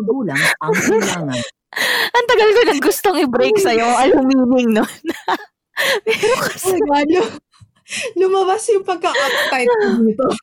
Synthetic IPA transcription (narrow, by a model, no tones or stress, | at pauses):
ɡuːlɐŋamɡlaːŋn | ʔɐŋt̪ɐɡɐlkonɐŋɡʊst̪o̞ŋɪbɾejksɐjoʔɐlhʊmiːnɪŋnon | pɛɾokɐ̥sɡalo | lʊmɐbasjʊŋpɐɡ̚kɐʔɐpɐt̪ɐjmt̪o